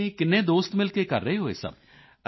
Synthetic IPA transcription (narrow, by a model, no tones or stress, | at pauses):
iːkɪnːẽːd̪oːst̪mɪlkeːkə̰ɾːəeːɦoːḛːsə̰b